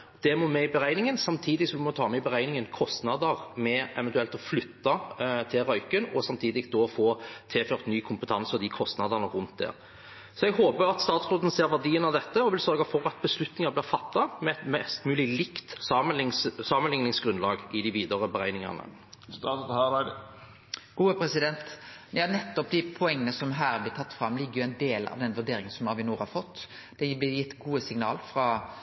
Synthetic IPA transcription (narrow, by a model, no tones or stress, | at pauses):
d̪̥ɛmɔmɛɪbəʁæɪnɪŋənsɑmt̪ʰiːd̪ɪsɔmd̪ʉmɔt̪ʰɑːmɛɪbəʁæɪnɪŋənkʰɔst̪nɑd̪əʁmɛʔɛ̰ʋɛnt̪ʉɛlt̪ɔflʏt̪ːɑt̪ʰɪlʁœʏkənɔsɑmt̪ʰiːd̪ɪkd̪ɔfoːt̪ʰeːføːʁt̪nyːkʰʊmpət̪ʰɑnsɔd̪ikʰɔst̪nɑd̪əʁnəʁʉnt̪̚d̪ɛ̰ːʁ | sɔɛɡɦoːbəɾɑt̪st̪ɑːt̪sʁoːd̪n̩seːɾʋæd̪iːənɑʋd̪ɛt̪ːəɔʋɪlsœʁɡɑfɔɾɑt̪̚bəslʉt̪nɪŋɑblɪːɾfɑt̪ːɑmɛt̪mɛst̪mʉːlɪlɪkt̪sɑmənɪŋssɑːmənlɪŋnɪŋsɡɾʉnlɑːɡʔɪd̪ɪʋiːd̪əʁəbəɾæɪnɪŋɑ̰nə̰ | s | ɡ̥uːəpʰɾɛsɪd̪ɛnt̪jɑːnɛt̪ːɔp̚d̪æɪpʰʊɛŋːənəsɔmɦæːɾblɪt̪ʰɑt̪ːfɾɑmːlɪɡːəjʊɛɪnd̪eːlɑ̰ʋd̪ɛnʋʉɖ̪eːɾɪŋən̩sɔmɑʋɪnuːɾhɑfɔt̪ː | d̪̥ɛblɪjɪt̪ːɡuːəsɪŋnɑ̰ːlfɾɑ